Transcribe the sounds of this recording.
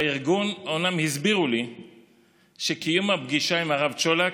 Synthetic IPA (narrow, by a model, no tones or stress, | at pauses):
iʁɡunomnamhizbiʁuli | ʃekijumabɡiʃaimaʁavt͡ʃola